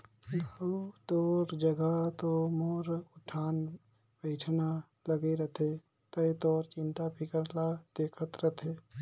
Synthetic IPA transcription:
d̪aːut̪ɔːɾd͡ʒəɡat̪omoːɾʊʈʰaːn | beːʈʰna | ləɡeɾət̪ʰe | t̪ət̪ɔːɾt͡ʃɪ̃nt̪abʱikəɾlad̪eːkʰət̪ɾət̪ʰeː

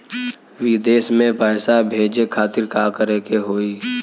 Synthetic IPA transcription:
wɪd̪eːsmẽpəːsabʱeːd͡ʒekʰaːt̪ɪɾkakəɾekeɦoːiː

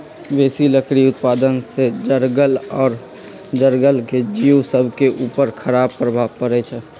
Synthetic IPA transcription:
ʋeːsiləkɽiʊt̪paːd̪ənsed͡ʒəɾɡəlɔːɾ | d͡ʒəɾɡəlked͡ʒiːwsəbʱkeʔuːpəɾkʰəɾaːbpɾəbʱaːkəɾet͡ʃʰɛ

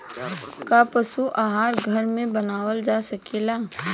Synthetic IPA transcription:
kapɐʃuʔaːɦaːɾɡʱɐɾmẽbɐnaːwəld͡ʒaːsɐkeːlaː

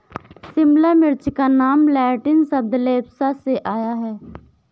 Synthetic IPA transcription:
sɪmlamɪɾt͡ʃkanaːmlɛːʈɪnsəb̚d̪leːbsaseʔaːjaɦɛː

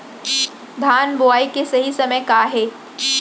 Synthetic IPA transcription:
b̪ʱaːnboaːikesɐɦisɐməjkaːɦeː

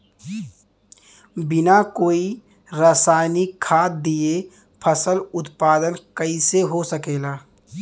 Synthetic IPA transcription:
bɪnakoːi | ɾaːsaːɪnikʰaːt̪̚d̪ie | pʰəsəlʊt̪paːd̪ənkəiseɦosəkeːlaː

